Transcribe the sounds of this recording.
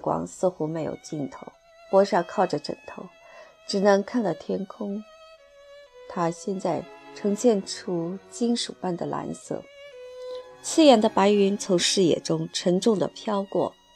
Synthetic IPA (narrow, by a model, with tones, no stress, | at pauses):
kwɑ̰˧˥ŋsɹ̩˥˧xu˥me˧˥ɪjo̰˨˩ʊt͡ɕi˥˩nt̪ʰo˧˥ʊ | pwɔ˥ʂjɑ˥˧kʰɑ˥˩ʊʈ͡ʂə˩ʈ͡ʂə̰˨˩ŋt̪ʰo˧˥ʊ | ʈ͡ʂɻ̩˨˩nɤ˧˥ŋkʰa˥˧nt̪ɑ˥˩ʊt̪ʰjɛ˥nkʰʊ˥ŋ | t̪ʰa˥ɕjɛ˥˧nt͡sa˥˩ɪʈ͡ʂʰɤ˧˥ŋɕjɛ˥˩nʈ͡ʂʰu˥t͡ɕi˥nʂu˨˩pa˥˩nd̪ə˩lʔa̰˧˥nsɤ̰˥˩ | t͡ɕʰi˥jɛ˨˩nd̪ə˧pa˧˥ɪy˧˥nt͡sʰʊ˧˥ŋʂɻ̩˥˩jɛ̰˨˩ʈ͡ʂʊ˥ŋʈ͡ʂʰə˧˥ŋʈ͡ʂʊ˥˩ŋd̪ə̰˨˩pʰjɑ˥ʊkwɔ̰˥˩